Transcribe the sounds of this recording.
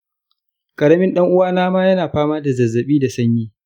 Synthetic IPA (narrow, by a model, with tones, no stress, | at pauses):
kʼɐ˨ɽɐ˦mɪ˦nɗɐ˦ŋʔʊ˦waː˦naː˦maː˦jɐ˦naː˨ɸaː˦maː˦da˨zɐ˨zːɐ˨ɓiː˦da˨sɐ˦ɲjiː˦